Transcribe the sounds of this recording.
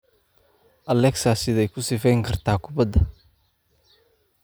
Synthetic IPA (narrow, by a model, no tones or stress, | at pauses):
ʔɐlɛksasɪðɛjkʰʊsɪfɛjŋkʰɐrt̪ʰaːkʰʊbɐd̪ɐ